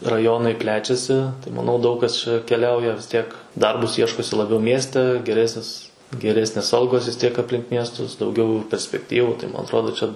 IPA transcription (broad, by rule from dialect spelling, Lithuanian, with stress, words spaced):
rɐˈjoːnɐɪ ˈpʲlʲæːt͡ʃʲɛsʲɪ tɐɪ mɐˈnɐʊ ˈdɐʊk kɐs ˈt͡ʃʲɛ kʲɛˈlʲɛʊjɛ tʲiɛk ˈdɐrbʊs ˈiɛʃkoːsʲɪ lˠɐˈbʲɛʊ ˈmʲiɛsʲtʲɛ ɡʲɛˈrʲæːsʲnʲɪs ɡʲɛˈrʲæːsʲnʲeːs ˈɐlˠɡoːs ʋʲɪs ˈtʲiɛk ɐpʲˈlʲɪŋk ˈmʲiɛstʊs dɐʊˈɡʲɛʊ pʲɛrʲsʲpʲɛkˈtʲiːʋʊ tɐɪ ˈmɐn ɐtˈroːdoː ˈt͡ʃʲɛ